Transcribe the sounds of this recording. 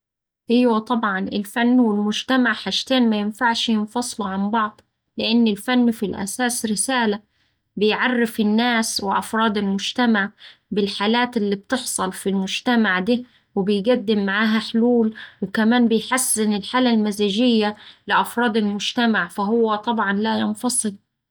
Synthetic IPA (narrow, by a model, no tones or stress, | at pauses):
hɪjwːæt̪ˤɑbʕɑnʔɪ̰lfanːwɪlmʊd͡ʒt̪amaʕħaʃt̪eːnmajɪnfaʕʃjɪnfɑsˤluʕambɑʕd̪ˤ | lɪʔɪnːɪlfanːfilʔæ̰saːsɾɪsaːla | bɪjʕɑrˤːɪfɪnːaːswɪʔɑfɾˤɑːd̪ˤɪlmʊd͡ʒt̪amaʕbɪlħaːlaːt̪ɪlːib̚t̪ɪħsˤɑlfilmʊd͡ʒt̪amaʕd̪iː | wɪbɪjɡad̪ːɪmːaʕaːɦaħʊluːlwɪkamaːnbɪjħasːɪnɪlħaːlalmazaːʒɪjːalɪʔɑfɾˤɑːd̪ɪlmʊd͡ʒt̪amaʕfaɦʊwːat̪ˤɑbʕɑnlajɪnfɑsˤɨl